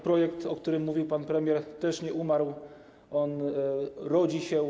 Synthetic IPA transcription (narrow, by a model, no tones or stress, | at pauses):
pɾɔjɛkt̪ɔkt̪uɾɘmːuvʲiwpanpɾɛmʲjɛɾt̪ɛʂɲɛʔumaɾw | ʔɔn | ɾɔd͡ʑiɕɛ